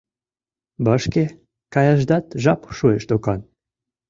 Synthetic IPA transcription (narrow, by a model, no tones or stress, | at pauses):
bəʃke | kɑjɑʒd̪ɑt̪ʒɑpʃueʃt̪okɑn